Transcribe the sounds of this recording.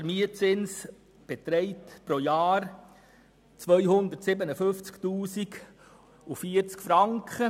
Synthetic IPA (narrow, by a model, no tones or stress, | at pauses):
ɛɾmiət͡sɪns | b̥ɛt̪ɾɛɪtpɾojaːɾ | t͡sʋœʏhʊnd̪ətsɪbənəfʏnft͡sktuːsik | ufiːəɾt͡skfɾɑŋkχə